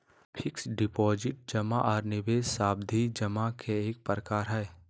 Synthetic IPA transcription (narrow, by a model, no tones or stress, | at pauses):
pʰɪksɖɪpɔːzɪʈ̚d͡ʒəmaʔɔːɾnɪʋeːzsaːb̚d̪ʱid͡ʒəmakʰeeːk̚pəɾəkaːɾɦɛː